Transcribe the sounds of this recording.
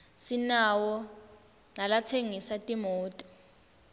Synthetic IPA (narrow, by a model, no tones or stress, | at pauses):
sinawɔ | nalat͡sʰeŋisatʼimɔːtʼɔ̥